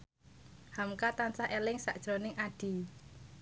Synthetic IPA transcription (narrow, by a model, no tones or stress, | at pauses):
hamkat̪ansahʔelɪŋsa̰ʔd̥ʒ̥ɾonɪŋʔaɖ̥i̤